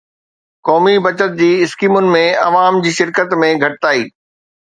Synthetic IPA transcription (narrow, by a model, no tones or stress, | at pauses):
kɔːmibɐt͡ɕət̪̚d͡ʑiːɪskiːmʊnɪ̆mẽɐʋaːmd͡ʑiːʃɪɾkət̪mẽɡʱɐʈɪt̪aːḭː